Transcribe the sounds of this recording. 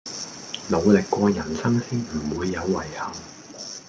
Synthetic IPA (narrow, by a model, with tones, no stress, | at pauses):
lo˨˧wlɪ˨kːʷɔː˧jɐ˨˩nsɐ˥ŋsɪ˥ŋm̩˨˩wuː˨˧jːɐ˨˧wːɐ˨˩jhɐ˨˩ŋ